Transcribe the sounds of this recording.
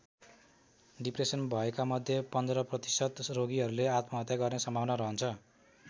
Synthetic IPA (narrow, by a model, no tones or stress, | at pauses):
ɖipresʌnbʱʌekamʌd̪ʱjepʌnd̪ɾʌprʌt̪i̥sʌt̪roɡiɦʌɾuleat̪mʌɦʌt̪jaɡʌrnesʌmbʱawnʌɾʌɦʌnt͡sʰʌ